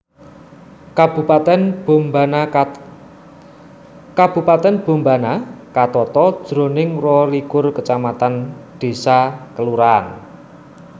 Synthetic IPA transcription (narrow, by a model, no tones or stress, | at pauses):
b̥upat̪ɛnbmb | kab̥ṳpat̪ɛnb̥o̤mbanakat̪ɔt̪ɔd̥d̥ɾo̤nɪŋrɔlikʊrkət͡ʃamat̪anɖ̪̥e̤sakəluɾan